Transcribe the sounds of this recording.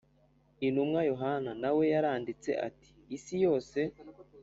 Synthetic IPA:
inumŋajo̞ɦananawe̞jaɾaːndit͡se̞̰ʔa̰ti̥ːsijo̞ːse̞

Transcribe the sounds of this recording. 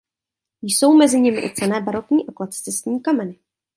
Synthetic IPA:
jso̞wmɛzɪɲɪmɪʔɪ̰t͡sɛlɛːbaɾokɲiːʔaklat͡st͡sɛst̪ɲiːkamɛnɪ

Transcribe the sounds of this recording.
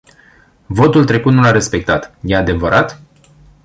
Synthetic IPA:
vo̞t̪ult̪ɾe̞kut̪nulaɾe̞spe̞k̚t̪at̪jead̪e̞vəɾʔat̪

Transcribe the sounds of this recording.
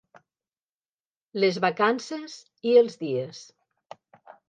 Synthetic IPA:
lezβakansez | iəlˠzðies

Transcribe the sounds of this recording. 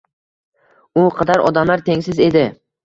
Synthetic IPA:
ʊqʰɑd̪aɾɒ̰d̪amlaɾt̪ʰe̞ŋsɪze̞d̪ɪ

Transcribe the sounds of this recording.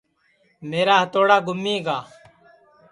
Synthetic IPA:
meːɾaːɦət̪oːɽaːɡʊmːiːɡaː

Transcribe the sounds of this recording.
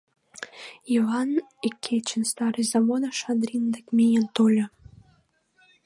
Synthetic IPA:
ivɑnikʲʰːet͡ɕːənst̪ɑɾɨjzɑβod̪ɑʃɑd̪ɾʲind̪əkmʲejənt̪olʲɤ

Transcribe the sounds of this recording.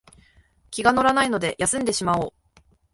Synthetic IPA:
kʲiɡano̞ɾanaino̞d̪e̞jʔasɨ̃nd̪e̞ɕimaoː

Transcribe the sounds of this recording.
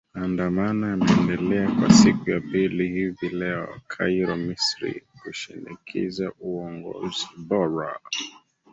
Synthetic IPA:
andamanajamɛɛndɛlɛakwa̰sikujapilihivilɛɔ̰kʰaiɾɔmisɾḭhuʃinikʰḭzaʔuɔŋɡɔ̰zibɔɾa

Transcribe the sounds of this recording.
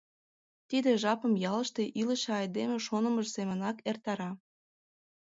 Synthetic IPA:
t̪id̪eʒɑpə̆mjɑlə̆ʃt̪eʔilə̆ʃeɑjd̪emeʃonə̆məʒsemə̆nɑkert̪ɑɾɑ

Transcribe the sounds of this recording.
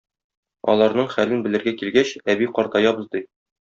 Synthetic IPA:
ɒ̰lˠɑɾnɤɴχælɘnbɘ̆lɘ̆ɾɡækilɡæɕæbiqɒɾt̪ɑjɑbɤ̆zd̪i

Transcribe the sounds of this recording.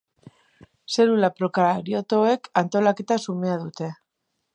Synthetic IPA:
se̞ɾulapɾo̞kaɾiot̪o̞e̞kant̪o̞lake̞t̪asume̞að̞ut̪e̞

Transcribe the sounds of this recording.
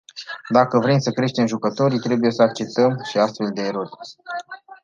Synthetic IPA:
d̪akəvɾemsəkɾe̞ʃt̪e̞mʒukət̪o̞ɾʲt̪ɾe̞buje̞səak̚t͡ʃe̞p̚t̪əmʃiast̪fe̞ld̪e̞ːɾo̞rʲ

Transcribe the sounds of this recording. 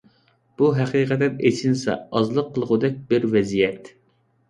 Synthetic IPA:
b̥uɦɛqiːqɛt̪ɛnet͡ʃʰinsɛ̰ɑzlˠəqʰːəlˠʁʊd̪ɛk̚ʲbɪɾvɛzijɛt̪

